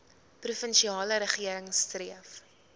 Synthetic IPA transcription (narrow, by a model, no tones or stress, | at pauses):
prufənʃiɑːləɾəχiəɾəŋstriəf